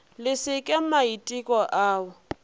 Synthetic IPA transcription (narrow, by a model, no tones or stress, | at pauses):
lɪsɪkʼɪmaitʼikʼɔʔaːwʊ